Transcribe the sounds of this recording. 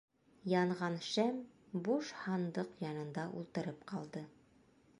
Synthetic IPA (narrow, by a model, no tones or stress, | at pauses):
jɑɴʁɑnʃæmbuʃhɑnd̪ɤqjɑnɤ̆nd̪ɑʔṵlˠt̪ɤ̆ɾɤpqɑlˠd̪ɤ